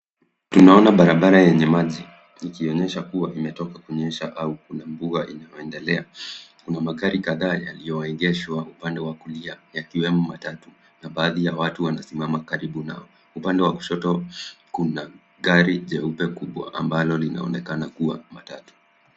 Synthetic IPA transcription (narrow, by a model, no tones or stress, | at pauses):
tunaɔnaɓaɾaɓaɾajɛɲɛmaʄi | ikiɔɲɛʃakuwaimɛtɔkakuɲɛʃaʔaukunambuaʔinajɔɛndɛlɛakunamaɠaɾikaðaːjalijɔɛɠɛʃwaupandɛwakuliajakiwɛmɔmatatu | naɓaːðijawatuwanasimamakaɾiɓuna̰ɔ | upandɛwakuʃɔtɔkuna | ɠaɾiʄɛupɛkuɓwa̰ʔambalɔlina̰ɔ̰nɛkanakuwamatatu̥